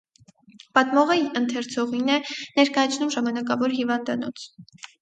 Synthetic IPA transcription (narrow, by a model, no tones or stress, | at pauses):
pɑt̪mɔʁɛənt̪ʰɛɾt͡sʰɔʁinɛnɛɾkɑjɑt͡sʰnumʒɑmɑnɑkɑvɔɾɦivɑnd̪ɑnɔt͡sʰ